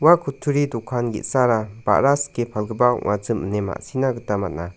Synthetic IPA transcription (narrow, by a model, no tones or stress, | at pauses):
wakʰutʰuɾidukʰanɡḭt̚saɾab̥a̰ʔɾaskepʰalɡəbaɔ̰ʔŋazɯmə̰nema̰ʔsinaɡətama̰t̚na